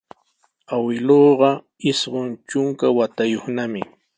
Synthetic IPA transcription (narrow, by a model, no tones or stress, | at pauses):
awɪloːɢɑ | ɪsɢont͡ʃʊŋkawat̪ajoχnamɪ